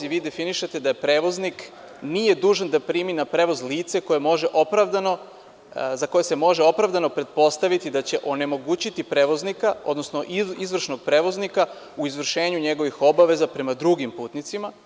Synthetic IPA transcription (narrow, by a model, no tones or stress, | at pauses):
iʋiːd̪e̞finiʃe̞t̪e̞d̪ajepɾe̞ːʋo̞znik | nije̞d̪uːʒand̪apɾiːminapɾe̞ːʋo̞zliːt̪se̞ko̞jemo̞ʒe̞ʔo̞pɾavd̪ano | zako̞jese̞mo̞ʒeo̞pɾaʋd̪ano̞pɾe̞t̪̚po̞st̪aʋit̪id̪at͡ɕe̞ʔo̞ne̞mo̞ɡuːt͡ɕit̪ipɾe̞ːʋo̞znikao̞̰d̪no̞sno̞ʔiizʋr̩ʃno̞ɡ̚pɾeːʋo̞znika | uizʋr̩ʃe̞ːɲuɲe̞ɡo̞ʋixo̞baʋe̞zapɾe̞mad̪ɾuɡimpuːt̪nit̪sima